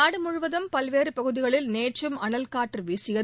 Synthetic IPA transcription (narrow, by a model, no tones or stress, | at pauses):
aːɽɯmʊɻʊʋɐðɐmpɐlʋeːɾɯpɐɣɯðɪɣɐɭɪlneːʈrɯmɐɳɐlkaːʈːrɯʋiːsɪjɐ